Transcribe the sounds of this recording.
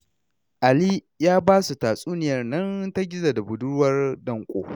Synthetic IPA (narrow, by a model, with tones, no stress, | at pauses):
ʔa˨liː˦ | jaː˦baː˦su˨taː˨sʼuː˦nɪ˨jɐ˦˨rnɐ˦nta˦ɡʲɪ˦za˨da˨bʊ˨dʊ˦wɐ˦rdɐ˦˨ŋkʷʼo̰ː˨